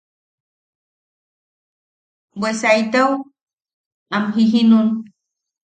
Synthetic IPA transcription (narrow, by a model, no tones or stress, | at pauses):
bwesajt̪aw | amɦiɦinũ